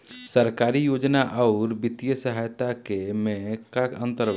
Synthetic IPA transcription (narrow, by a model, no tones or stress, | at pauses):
səɾkaːɾijoːd͡ʒnaʔɔʊɾbɪt̪ijəsəɦajt̪akemẽkakə̃nt̪əɾ